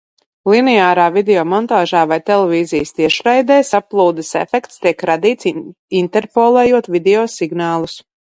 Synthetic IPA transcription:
lˠinɛaːɾaːvid̪ɛɔːmɔnt̪aːʒaːvajt̪ɛlˠɛvʲiːzijəst̪iɛʃɾajd̪ɛːsaplˠuːd̪ɛsɛ̰fɛkt̪st̪iɛkɾad̪iːt̪s | int̪ɛɾpolˠɛːjuɔt̪vid̪ʲɛoːsiɡnaːlˠus

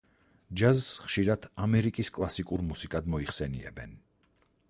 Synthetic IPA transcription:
d͡ʒazsχʃiɾad̪̥amɛɾikʼiskʼlˠasikʼuɾmusikʼad̪mɔiχsɛnḭɛ̰bɛn

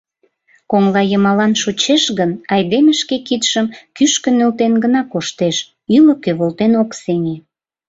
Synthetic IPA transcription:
koŋlɑjəmɑlɑnʃot͡ɕeʃɣənɑjd̪eməʃkekit̪ʃəmkyʃkə̆nølt̪enɡənɑkoʃt̪eʃ | ylokøβolt̪enokseŋe

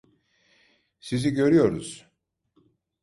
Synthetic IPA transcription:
siziɟø̞ɾyjo̞ɾuz̥

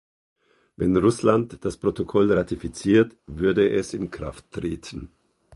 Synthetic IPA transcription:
vɛnʁʊslantd̥aspʁ̥otokʰɔlʁatifit͡siːɐtvʏɐdəʔɛsɪnkʁ̥a̰ftːʁ̥eːtʰən̩

